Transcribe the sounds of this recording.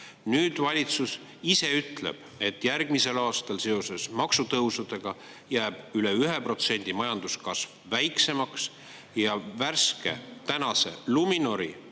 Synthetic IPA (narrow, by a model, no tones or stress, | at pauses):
nyːd̪̥vɑlʲit̪sus | ise̞yt̪lḛb̥e̞t̪ːˑjærɡ̥mise̞lɑːst̪ɑlse̞o̞se̞smɑksut̪ɤusud̪̥e̞ɡ̥ɑ | jæːb̥yleyɦepro̞t̪se̞nʲd̪̥imɑjɑnd̪̥uskɑsvːæjkse̞mɑks | jɑværske̞̰t̪ænɑse̞̰lumino̞ɾḭ